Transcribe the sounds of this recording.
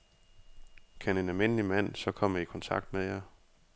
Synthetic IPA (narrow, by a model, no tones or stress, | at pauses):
kʰæne̝nælme̝n̰əlimæn̰sɒ̽kʰɒ̽m̰ikʰɒ̽nt͡sʰɑ̈ɡ̥d̥mejɑ